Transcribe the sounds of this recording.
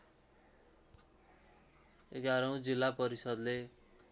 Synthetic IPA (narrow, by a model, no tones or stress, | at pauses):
eɡaɾʌũd͡zilːapʌɾisʌd̪le